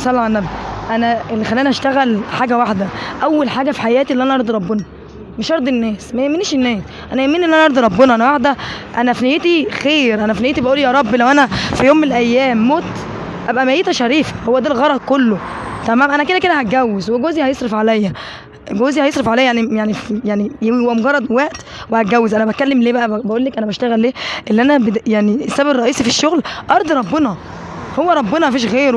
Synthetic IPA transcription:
sˤælːɑʕnːæbʔænæʔelːixælːænæʔæʃt̪æɣælħaːɡæwaħd̪æʔæwːælħaːɡæfi̥ħajæːt̪iʔlːiʔænæʔɑɾˤd̪ˤɾˤɑbːenɑ | meʃʔɑɾd̪ˤenːæːsmæjemːiniːʃenːæːs | ʔænæjemːinelːʔænæʔɑɾˤd̪ɾˤɑbːenɑʔænæwaħd̪æʔænæfnejet̪ixeːɾʔænæfnejet̪ibæʔuːlijɑːɾˤɑbːlæwʔænæfijoːmːenelʔæjːæːmːoːt̪ | ʔæbʔæmæjiːt̪æʃæɾiːfæ̥howːæd̪ælɣɑɾˤɑd̪̚ˤkolːo | t̪æmæːmʔænæked̪æk̬ed̪æhæɡæwːezweɡoːzihɑjesˤɾɑfʕalæjːæ | ɡoːzihæɑjesˤɾefʕalæjːjaʕnijaʕnifjaʕnihowæmoɡɑrˤːɑd̪ˤwæʔt̪wehæt̪̚ɡæwːezʔænæbæt̪̚kælːemleːbæʔæbæʔuːlːækʔænæbæʃt̪æɣælːeːʔelːiʔænæbejaʕniʔesːæbbrˤɑʔiːsifiʃːoɣlʔɑɾˤd̪ˤɾˤɑbːenɑ | howːæɾˤɑbːenɑmæfiːʃɣeːɾ

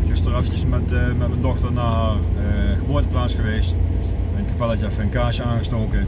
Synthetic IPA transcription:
xɪstərɑftəsmɛtmɛtməndɔxtənaːɦaːrɣəboːətəplaːsxəʋeːst | tkapɛlˠataːfɛnkaːʃəaːnɣəstoːkə

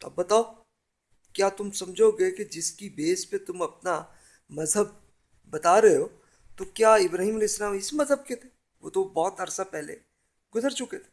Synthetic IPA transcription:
t̪oɐ̰bːɐt̪aːo | kjaːt̪ʊmsɐmd͡ʒʱoɡɐeked͡ʒɪskibeːspet̪ʊmɐp̚na | mɐzɦəb̚ː | ɐt̪aɾɐɦeɦoː | t̪okjaːɪbɾaːɦiːmɐleɪsːɐlaːmɪsmɐzɦəb̚ket̪ʰe | ʋo̰ːt̪obɔːt̪ɐɾsapɛɦlḛ | ɡʊzəɾt͡ʃʊket̪ʰe̥

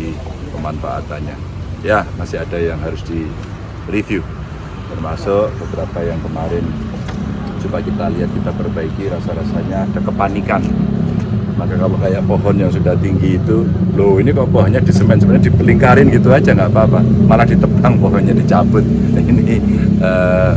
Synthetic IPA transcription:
ikəmanfa̰ʔa̰t̪a̰nɲa̰jamasɪɦadajaŋɦaɾʊsd̥i | rifju | t̪ərmasʊʔb̥əbɾapajaŋkəmaɾɪn | t͡ʃubakit̪aliɦat̪̚kit̪apərbaikiɾasaɾasaɲaːd̥akəpanikan | makakalokajaʔpoɦɔnjaŋsudaht̪iŋɡiːt̪uloinipapɔɦɔnɲadisəmɛnsəməɲadipəliŋkaɾɪnɡit̪uad͡ʒaŋɡaapaːpamalahdit̪əpaŋpɔɦɔnɲadit͡ʃabʊt̪̚ | ini | ə

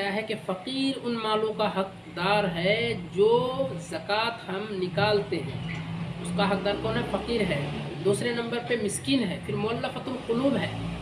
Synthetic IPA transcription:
jaɦɛkefɐqiːɾʊnmaːlõkaɦɐk̚ | d̪aːɾɦɛd͡ʒoːzɐkaːt̪ɦɐmnɪkaːlt̪eɦɛ̃ʊskaɦɐk̚d̪aːɾkɔːnɦɛfɐqiːɾɦɛːd̪uːsɾenɐ̃mbəɾpemɪskiːnɦɛːpʰɪɾmʊəlːafɐt̪ʊlqʊluːbɦɛː

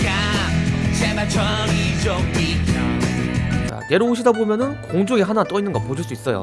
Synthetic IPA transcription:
ka | ɕɛmat͡ɕʰʌŋid͡ʑoŋpikʰa | t͡ɕa̰je̞ɾooɕ̬ʰidabomjʌnɯnkoŋd͡ʑoŋiɦanat͈oinːɯnŋɡʌpod͡ʑʰiɭs͈uis͈ʌjo̰

